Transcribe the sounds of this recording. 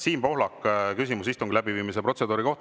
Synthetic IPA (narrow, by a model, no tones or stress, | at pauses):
siːnpo̞ɦlɑkːkysimus̬ist̪oŋkulæbiviːmis̬epɾo̞se̞d̪uːɾiko̞ht̪